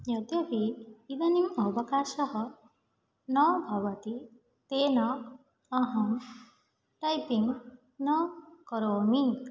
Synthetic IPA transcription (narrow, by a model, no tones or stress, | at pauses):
jɔt̪jɔpiːd̪animɔbɔkasɔɦɔ | nɔbʱabɔt̪i | t̪enɔ | ɔɦɔm | ʈajpiŋ | nɔkɔɾomik